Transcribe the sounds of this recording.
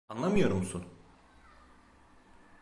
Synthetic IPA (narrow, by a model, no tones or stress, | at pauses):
anlˠamɯjo̞ɾumsun